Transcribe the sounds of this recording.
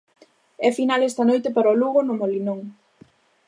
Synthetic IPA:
ɛfinalɛst̪ɐnojt̪epaɾɐoluɣonʊmolinoŋ

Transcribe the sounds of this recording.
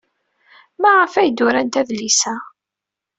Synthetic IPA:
mæʁəfæjd̪ʊɾænt̪æðlisæ

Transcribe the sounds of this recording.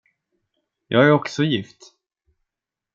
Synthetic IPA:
jɑːɡæɾɔksɔjɪft̪

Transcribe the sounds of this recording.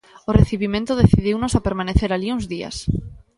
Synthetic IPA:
oreθiβ̞imẽnt̪oð̞eθið̞iwnosapeɾmãneθeɾaliuŋzðia̰s

